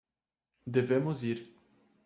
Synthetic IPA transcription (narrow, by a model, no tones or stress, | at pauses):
d̪evemoziɾʲ